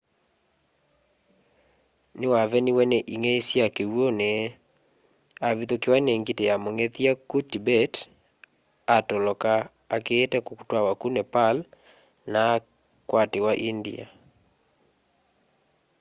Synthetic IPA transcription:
nɪwavɛnɪwɛnɛʔiŋɛisjakewonɛ | aβiðokɪwaneŋɡitejamoŋɛtiakutibɛt | atɔlɔkaː | keːtɛkokutwawakunɛpal | na | kwatewaʔindḭa̰

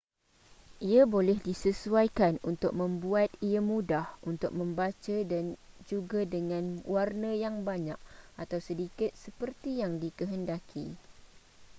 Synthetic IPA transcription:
ʔiabolɛhdisəsuajkanunt̪ʊk̚mə̃mbuat̪iamũdahunt̪ʊk̚mə̃mbat͡ʃadand͡ʒuɡadəŋãnwarnə̃jaŋbaɲak̚ʔat̪awsədikɪt̪̚səpərt̪ijaŋdikəɦəndakʰḭ

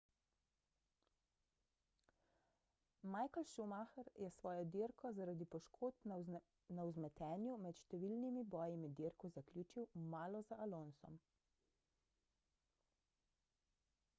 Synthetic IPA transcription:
maːjkɔlʃumaxɛɾjɛsʋɔːjɔd̪iɾkɔzaɾaːd̪ipɔʃkʰoːt̪̚ | nawzmɛt̪ɛːnjumɛt̪ʃt̪ɛʋilnimibɔːjimid̪iɾkɔzaklʲjuːt͡ʃiwmaːlɔzaʔalonsɔ̰m

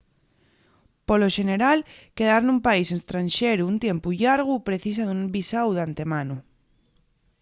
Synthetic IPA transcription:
poloʃeneɾalkeðaɾnũmpaisest̪ɾanʃeɾuːnt̪jempuʎaɾɣupɾeθisaðumbisawðant̪e̞mãnu

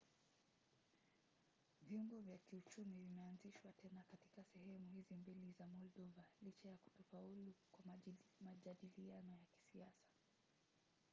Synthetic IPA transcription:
viumbɔvjakiut͡ʃumivimɛanziʃwatɛnakati̥kasɛɦɛmuhizimbilizamɔlɗɔvalit͡ʃajaku̥tɔfaulukwamaʄaɗilianɔjaki̥siasḁ

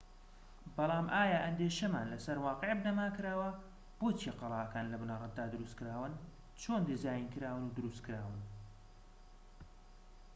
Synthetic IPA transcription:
bɑlˠɑːmʔaːjaʔɐnd̪eːʃɐmaːnlɐsɐɾwɑːqeʕbnɐmaːkɨɾaːwɐ | b̥oːt͡ʃijɛqɑlˠɑːʔɐkaːnlɐbunaɾˤɐt̪̚d̪aːd̪ɨɾust̪̚kɨɾaːwɨn | t͡ʃʰoːnd̪ezaːjinkɨɾaːwɨnud̪ɨɾust̪̚kɨɾaːwɨn

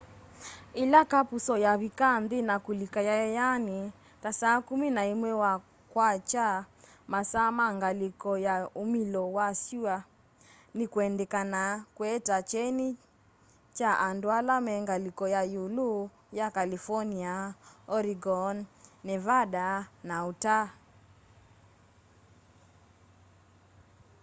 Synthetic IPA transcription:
ilakapusɔjaβikanðinakulikajaɛjani | tasaːkuminaimwɛwa | kwat͡ʃa | masamaŋɡalikɔjaumilɔwasua | nikuɛndɛkanakuɛtat͡ʃɛni | t͡ʃaʔandwalamɛŋɡalikɔjajulu | jakalifɔniaɔɾiɡɔnːɛvaɗanauta

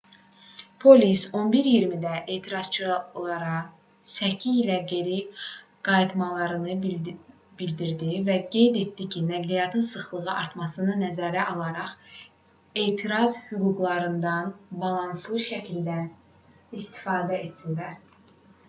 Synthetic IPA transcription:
pʰo̞liso̞nbiɾjiɾmid̪æʔe̞ːt̪ʰiɾɑz̥t͡ʃʰɯlˠɑɾɑ | sæcʰːiilæɡe̞ɾi | ɡ̥ɑjit̪mɑlˠɑɾɯnɯ | b̥ild̪iɾd̪ivæɡe̞jd̪e̞t̪ːicʰinæɡlijɑt̪ʰɯnsɯχlˠɯʁɯʔɑɾt̪mɑsɯnɯnæzæːɾæʔɑlˠɑɾɑχ | e̞ːt̪ʰiɾɑzhyɡuɡlˠɑɾɯnd̪ɑnbɑlˠɑnslˠɯʃæcʰild̪æ | ist̪i̥fɑːd̪æe̞t̪ild̪æɾ

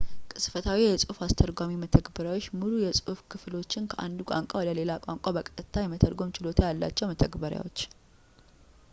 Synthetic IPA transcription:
kʼɨsfət̪ʰawijɛsʼufast̪ʰəɾɡamimət̪ʰəɡbəɾjawot͡ʃːmulujɛsʼufkʰɨflo̞t͡ʃːɪnkʰəʔa̰nd̪ukʼa̰ŋkʼawɔd̪əle̞lakʼa̰ŋkʼabəkʼt̪ʼɨt̪ʰːajɛmət̪ʰəɾɡo̞mt͡ʃɪlo̞t̪ʰajalːa̰t͡ʃːɛwmət̪ʰəɡbəɾja̰wot͡ʃː

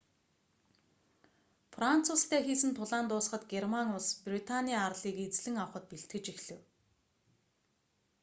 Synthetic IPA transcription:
fran̥t͡sʰʊːst̪ʰeːxiːsɘ̆nt̪ʰʊɮaːnt̪ʊːs̆χə̆t̪ɡermaŋʊsprit̪ʰaniːarɮiːket͡sɮɘ̆ŋawχə̆t̪̚peɬt̪̚ɡɘ̆t͡ɕixɮɘ̆w

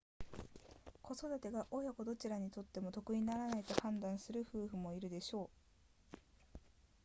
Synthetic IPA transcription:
kʰo̞so̞d̪at̪e̞ɡaʔo̞jako̞d̪o̞t͡ɕiɾaɲ̟it̪o̞t̪ːe̞mo̞t̪o̞kɯ̟ɲi̟naɾanait̪o̞hãnd̪ãɰ̃sɨɾɯ̟ɸɯ̟ːɸɯ̟mo̞iɾɯ̟d̪e̞ɕo̞ː

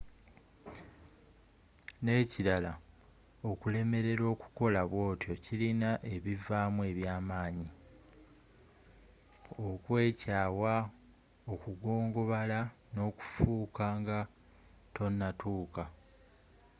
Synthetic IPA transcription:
ne̞ːciɾala | okule̞me̞ɾe̞ɾo̞ːku̥ko̞laβwo̞ːtjo̞cilinaʔe̞βivaːmue̞ːβjaːmaːɲi | okwe̞ːcaːwa | o̞kuɡo̞ːŋɡo̞βala | no̞ːku̥fuːkaŋɡa | tʰo̞nːatuːka

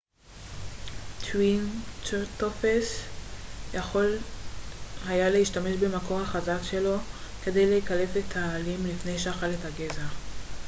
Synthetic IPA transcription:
tʰwint͡ʃetofes | jaχo̞l | hajaleiʃtame̞ʃbe̞makʰo̞ʁhaχazakʃe̞lo̞ke̞de̞jleekale̞fetʰaːlimlifne̞jʃaχalethaɡeza

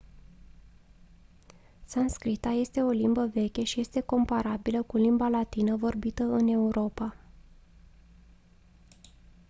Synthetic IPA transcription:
sanskɾit̪aje̞st̪e̞o̞limbəve̞kʲe̞ʃije̞st̪e̞ko̞mpaɾabiləkulimbalat̪inəvo̞rbit̪əɨne̞uɾo̞pa

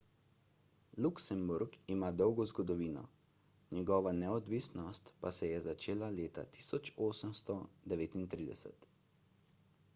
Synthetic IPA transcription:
luksɛmbuɾɡimaːd̪ɔwɡɔzɡɔd̪ɔʋiːnɔ̰ | nɛɡɔːʋanɛɔd̪ʋisnɔst̪pasɛjɛzat͡ʃeːlaleːt̪a̰t̪i̥ːsɔt͡ʃoːsəmst̪ɔd̪ɛʋeːt̪int̪ɾiːd̪ɛ̰sɛ̰t̪

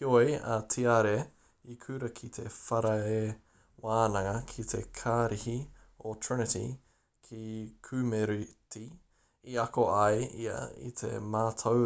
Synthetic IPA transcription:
ojɐ̰t̪ʰiaɾe | ikʰʉɾɐkʰit̪ʰefɐɾɐe | waːnɐŋɐkʰit̪ʰekʰaːɾihiotʰɹɛnətḭ | kʰikʰʉːmeɾiti | iɐkoɐjiɐ̰ḭt̪ʰḛmaːt̪ʰow

